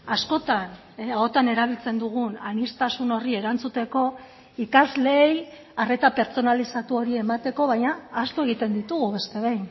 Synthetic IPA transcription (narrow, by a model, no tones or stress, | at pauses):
asko̞t̪an | ao̞t̪ane̞ɾaβ̞ilt͡se̞nd̪uɣ̞unanist̪asuno̞rie̞ɾant͡sut̪e̞ko̞ | ikazle̞ːj | are̞t̪ape̞ɾt͡so̞nalisat̪uo̞ɾie̞mat̪e̞ko̞βajɲaːst̪ue̞ɣ̞it̪e̞nd̪it̪uɣuβe̞st̪e̞β̞ejn